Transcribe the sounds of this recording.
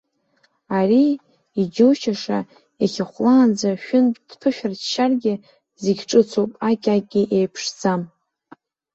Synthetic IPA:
ari | id͡ʒuwʃaʂa | aχʲaχʷlaːnd͡zaʃᶣʊnʼd̥pʰɨʃᶣarʃarɡʲɪ | ziɡʲʈ͡ʂʼɨt͡sʰopʼakʲʼakʲʼːiʔejpʰʂd͡zam

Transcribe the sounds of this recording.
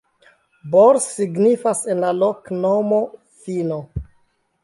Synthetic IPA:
boɾsiɡnifasenlaloknomo̞ | fino

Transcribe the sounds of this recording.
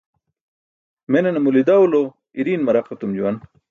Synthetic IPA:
menenɐmulid̪awlo | iɾiːnmɐɾɐqɐt̪umd͡ʑuwɐn

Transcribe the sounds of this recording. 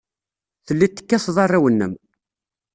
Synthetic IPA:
θəlːit̪ːə̥kːæsðˤɑrˤːawənːəm

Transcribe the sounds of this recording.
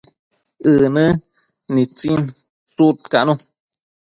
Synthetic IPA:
ɨnɨ | nĩt͡sin | sut̪̚kaʔnũ

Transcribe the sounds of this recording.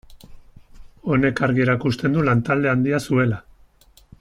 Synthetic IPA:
o̞ne̞kaɾɣie̞ɾakust̪e̞nd̪ulant̪ald̪e̞and̪iasue̞la

